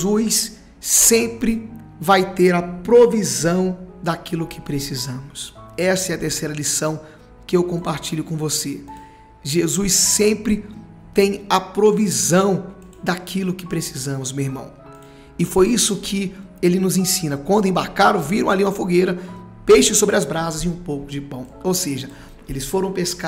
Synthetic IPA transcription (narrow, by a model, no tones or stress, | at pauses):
ujs | ẽpɾɪ | vajt̪eɾɐpɾovizɐ̃w̃d̪akilʊkɪ̥pɾesizɐ̃mʊsɛsɐɛɐt̪eɾsejɾɐlisɐ̃w̃ | kɪewkõpaɾt͡ʃiʎʊkõw̃vose | ʒezujsːẽmpɾɪ | t̪ẽj̃ɐpɾovizɐ̃w̃ | d̪akʰilʊkɪpɾesizɐ̃mʊzmewiɾmɐ̰̃w̃ | ɪfojisʊkʰɪ | elɪnʊzẽsĩnɐkwɐ̃nd̪ʊẽbaɾkaɾʊ̃viɾɐ̃aliũmɐfoɡejɾɐ | pejʃɪsobɾɪɐzbɾazɐzɪũpowkʊd͡ʒɪpɐ̃w̃owseʒɐ | elɪsfoɾɐ̃w̃peska